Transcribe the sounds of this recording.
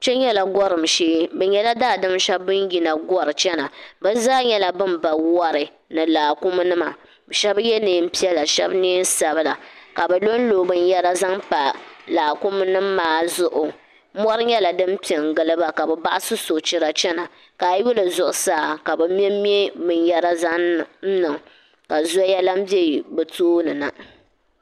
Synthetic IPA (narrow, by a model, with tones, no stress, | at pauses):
t͡ʃɛ˦ɲɛ˦la˨ɡɔ˦ɾɨ˨m˨ʃeː˦bɛ˨ɲɛ˦la˦daː˦˨dɨ˦mʃɛ˦bbɨ˦n˦ji˨na˨ɡɔ˦ɾɨ˨t͡ʃɛ˦na˨bɛ˦zaː˦ɲɛ˦la˦bɨ˦mba˨wɔ˦ɾɨ˨ | nɨ˨laː˨kʊ˦m˦nɨ˦ma˨ | bɛ˨ʃɛ˦bjɛ˦nɨ˨m̩˦pi˦ɛ˦lːa˨ʃɛ̰˦bni˦n˦sa˨bɨ˦la˨ka˨bɛ˨lo˦n˦lo˨bɨ˦n˦jɛ˦ɾa˦za˦ŋpa˨laː˨ku˦m˦nɨ˦mː˦aː˨˦zʊ˨ʔʊ˨˦ | mɔ˦ɾɨ˦ɲɛ˦la˨dɨ˦m˦pi˨ɛ˨ŋ˨ɡɨ˨lɨ˦ba˦ka˨bɛ˨ba˦ʔa˦sɨ˦so˨t͡ʃɪ˨ɾa˨t͡ʃɛ˦na˨ | ka˨˦ju˦lɨ˨zʊ˨ʔʊ˨saː˦˨ka˨bɛ˨m˦ɛ˦m˦ɛ˦bɨ˨njɛ˦ɾa˦za˦ŋ˨n̩˦nɨ˨ŋ˨ | ka˨zu˦jɛ˦la˦m˦bi˦e˦˨bɛ˨toː˦nɨ˨na˨